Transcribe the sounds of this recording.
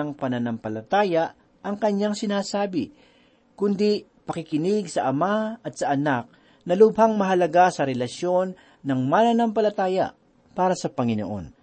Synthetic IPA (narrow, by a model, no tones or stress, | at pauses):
ɐŋpɐnɐnɐmpɐlɐt̪aːjaʔ | ʔɐŋkɐɲaŋsɪnaːsaːbɪ | kʊnd̪i | pɐkɪkɪnɪɡsɐʔɐmaɐt̪̚sɐʔɐnak̚ | nɐlʊbhaŋmɐɦɐlɐɡasɐɾɛlɐʃjo̞nː | ɐŋmananɐmpɐlɐt̪aːjɐ̰ | paːɾɐsɐpɐŋɪno̰ʔo̞̰n